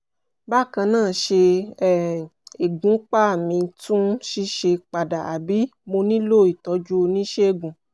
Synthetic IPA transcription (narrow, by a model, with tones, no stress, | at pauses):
ba˦˨kã˧nãː˦˨ʃe˧˦˨ | e˨ɡũ˨˦k͡pa˦˨mĩ˨˧tũ˦ʃi˦ʃe˧k͡pa˨da˨a̰˨bi˨˦mo˧nĩ˦lo˦˨i˨tɔ˨˧˦d͡ʒu˦o˧nĩ˦ʃe˦e˦˨ɡũ˨